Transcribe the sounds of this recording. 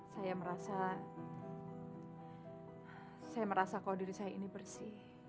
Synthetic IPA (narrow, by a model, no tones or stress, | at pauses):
sajaməɾasa | sajaməɾasakaladiɾisajainibərsɪh